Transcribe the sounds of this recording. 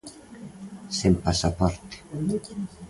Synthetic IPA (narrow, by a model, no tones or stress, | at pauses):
sempasapɔɾt̪i̥